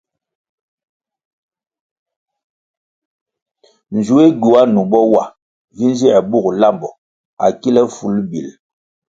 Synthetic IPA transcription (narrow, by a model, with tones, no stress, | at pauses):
n̩˨d͡ʒu˨˦e˦ɡu˨a˦nu˨bɔ˦wa˨ | vi˦n˦zi˦ɛ˨bu˦˨kla˦˨mbɔ˨ | a̰˨ki˦lɛ˦fu˨˦lbḭ˨l